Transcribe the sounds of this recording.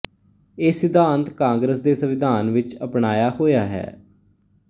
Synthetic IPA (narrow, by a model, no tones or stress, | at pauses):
eːsɪd̪ʱãːnt̪kãːŋɡɾəsd̪eːsəʋɪd̪ʱaːnʋɪt͡ʃəpɳaːjaːhoːjaːɦɛ̰ː